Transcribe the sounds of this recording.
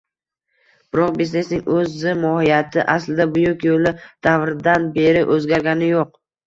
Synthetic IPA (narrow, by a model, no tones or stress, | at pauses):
b̥ɪɾɒq̚besne̞snɪŋʔɵzɪmɒhijat̪ʰɪʔaslɪd̪abʊjʊkʲjolˠɪd̪̥avɾɪd̪anbe̞ɾɪʔɵzɡʲaɾɡʲanɪjoq̚